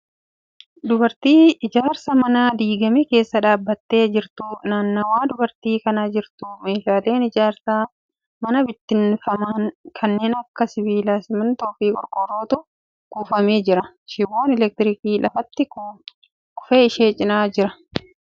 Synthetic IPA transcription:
d̪ʊbɐɾt̪iːɪd͡ʒaːɾsɐmɐnad̪iːɡɐmeke̞ːsːɐᶑaːbːɐt̪ːe̞ːd͡ʒɪɾt̪ʊnaːnːɐwaːd̪ʊbɐɾt̪iːkɐnɐd͡ʒɪɾt̪ʊme̞ːʃaːle̞ːnɪd͡ʒaːɾsɐ | mɐnɐbɪt̪ːɪnfɐmaːnkʰɐnːe̞ːnɐkːɐsɪbiːlasɪmɪnt̪ɔfiːkʼɔ̰ɾkʼɔrːo̞ːt̪ʊ | ɡ̥uːfɐme̞ːd͡ʒɪɾɐ | ʃɪbo̞ːnɛlɛk̚t̪ɪɾɪkiːlɐfɐt̪ːɪ | kʊ̥feːɪʃeːt͡ʃʼɪnaːd͡ʒɪɾɐ

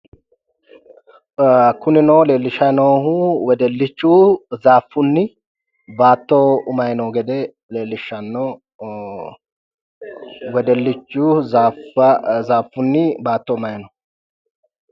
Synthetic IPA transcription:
kʊnɪnoːle̞ːlːɪʃːɐnoːhʊwɛd̪ɛlːɪt͡ʃːuːzaːfːʊnːɪ | baːt̪ːoʊmɐjnoːɡɛd̪ɛ | le̞ːlːɪʃːɐnːo | wɛd̪ɛlːɪt͡ʃːuːaːfɐzaːfːʊnːɪbaːt̪ːɔʊmɐjnɔ

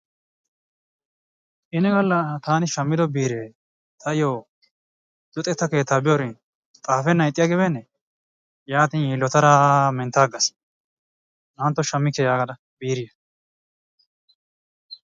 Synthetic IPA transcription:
ʔɪnɛɡɐlːɐt̪aːnɪʃɐmːɪd̪ɔbiːɾeː | t̪ʰɐɪjoː | d̪̥ɔt̪ʼɛt̪ːɐke̞ːt̪ːaːbɪjɔɾɪn | t̪ʼaːfɛnːɐjt̪ʼːɪjɐɡɪbɛnːɛ | jaːt̪injilːɔt̪ɐɾamɛnt̪aːɡɐs | nɐnt̪ːɔʃɐmːɪkːɛjaːɡɐd̪ɐ | b̥iːɾɪjɐ

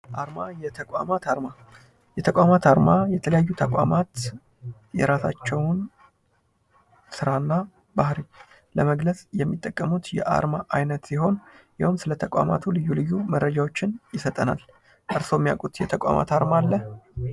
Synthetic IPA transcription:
ʔaɾmajɛt̪ʰəkʷʼa̰mat̪aɾma | jɛt̪ʰəkʷʼamat̪aɾmajɛt̪ʰələjajːut̪ʰəkʷʼa̰mat̪ | jɛ̰ɾasa̰t͡ʃːɛwn | sɨɾanːa | bahɾi | ləməɡləsʼjɛmːit̪ʼːəkʼːəmut̪jɛ̰ʔa̰ɾmaʔajnət̪siɦo̞njawumsɨlət̪ʰəkʼa̰ma̰t̪ʰulɨjːulɨjːuməɾəd͡ʒawo̞t͡ʃːɪnjɪsət̪ʼəna̰l | ʔɨɾso̞mːijakʼut̪jɛt̪ʰəkʷʼa̰ma̰t̪aɾmalːə

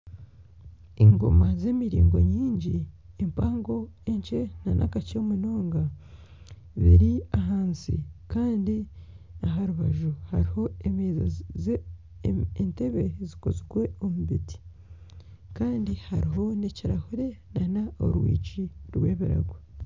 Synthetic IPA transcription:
eŋɡo̞̰mazeːmiɾḭːŋɡo̞̰ɲiːɲɟi | empaːŋɡo̞eɲt͡ʃe̞nanʔa̰kacemunoːŋɡa | zḭɾiaɦaːnsḭkaːndi | aɦaɾuβaʒuhaɾiho̞emeːza̰z | ente̞βe̞zikoziɡwe̞o̞muβiti̥ | kaːndihaɾiɦo̞neciɾahuɾe̞nanao̰ɾwḭːt͡ʃiɾwe̞ːβiɾa̰ɡwe

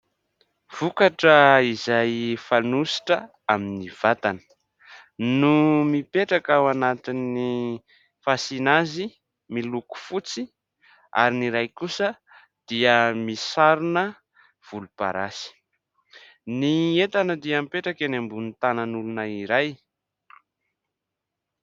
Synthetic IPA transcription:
v̥ukaʈ͡ʂəizajfanusi̥ʈ͡ʂə | aminiv̥at̪anə̥ | numipeʈ͡ʂakawanat̪ini | fasinazi | miluku̥fut͡si | a̰ɾiniɾajkusə | d̪̥iəmisaɾunə | v̥ulupa̰ɾasi̥ | niet̪anəd̪iamipeʈ͡ʂakenambunit̪anənulunəiɾaj

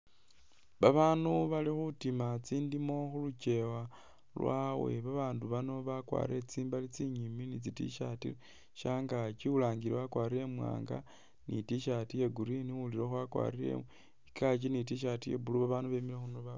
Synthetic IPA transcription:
βaβaːnuβalixutimat͡siːndimo̞xulut͡ʃe̞wa | lwʔa̰we̞βaβaːnduβano̞βakwa̰ːɾe̞t͡siːmbalit͡siɲiminit͡sitḭʃatḭ | ʃaːŋɡat͡ʃiulaːŋɡiɾeβakwaːɾiɾe̞mwa̰ːŋɡa̰ | nitiʃatijeɡuɾiniwuliɾexuakwa̰ːriɾḛ | ikʰat͡ʃinit̬iʃ̬atijḛbuluβaβaːnduβemilexunoβa

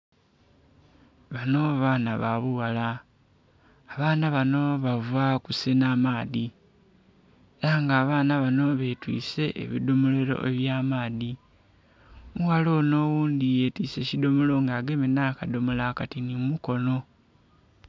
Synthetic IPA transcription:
βano̞βaːnaβaβuwala | βaːnaβano̞βavakuse̞naːmaːði | eɾaŋɡaːβaːnaβano̞βe̞twḭːse̞ʔḛβḭdomoleɾo̞̰ʔe̞̰βjaːmaːði | muwalo̞ːno̞ːwuːnd̪ijeːtiːse̞cido̞molo̞ŋɡaːɡe̞menakadomolakatinimumuko̞no̞

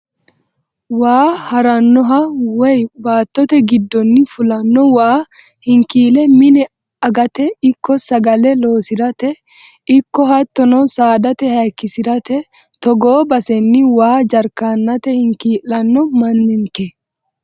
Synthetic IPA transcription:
waːhɐɾɐnːɔɦɐwɛjbaːt̪ːɔt̪ɛɡɪd̪ːɔnːɪfʊlɐnːɔwaː | hɪŋkiːlɛmɪnɛ | ɐɡɐt̪ɛɪkːɔsɐɡɐlɛlo̞ːsɪd̪ɐt̪ɛ | ɪkːɔhɐt̪ːɔnɔwsaːd̪ɐt̪ɛhɐjkːɪsɪdɐt̪ɛ | t̪ɔɡo̞ːbɐsɛnːɪwaːd͡ʒɐɾkaːnːɐt̪ɛhɪŋkiːlːɐnːɔmɐnːɪnkɛ

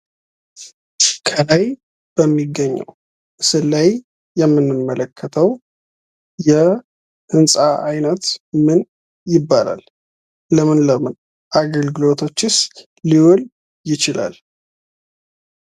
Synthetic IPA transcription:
kʰəlaj | b̥əmːiɡːəɲːə̰w | ʔɨsɨlːaj | jɛmːɨnːɨmːələkʰːət̪ʰəw | jɛ | hɨnsʼaʔajnət̪mɨn | jɪbːala̰l | ləmɨnləmɨn | ʔaɡəlɡɨlo̞t̪ʰo̞t͡ʃːɪs | liwɔl | jɪt͡ʃɪla̰l

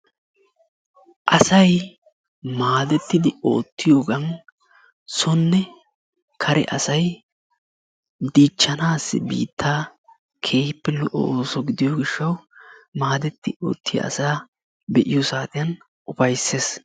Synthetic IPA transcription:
ʔɐsɐj | maːd̪ɛt̪ːɪd̪ɪo̞̰ːt̪ːɪjoːɡɐn | sɔnːɛ | kʰɐɾɛ̰ʔɐsɐj | d̪iːt͡ʃːɐnaːsːɪ̰bḭːt̪ʰːaː | kʰe̞ːhɪpːɛlɔʔɔ̰oːsɔɡɪd̪ɪjoɡɪʃːɐwmaːd̪ɛt̪ːɪo̞̰ːt̪ːɪjɐ̰ʔɐ̰saː | bɛʔɪjɔsaːt̪ʼɪjɐn | ʊpɐjsːe̞ːs

